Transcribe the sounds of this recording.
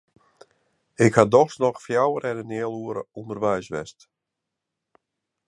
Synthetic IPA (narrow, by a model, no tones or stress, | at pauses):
ɪkhadɔxsnɔxfjawəɾɛnənɪəluəɾə̰undərʋɛjsʋɛ̰st